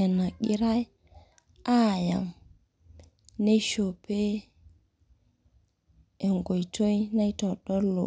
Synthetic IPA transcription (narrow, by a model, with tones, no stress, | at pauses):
e˨na˨ɡi˦ɾa˦j | a˦˨ja̰˨ŋ | ne˦ʃo˨pe˦ | e˨ŋɡo˨jto˦jna˦jto˨ɗɔ˦lo̰˨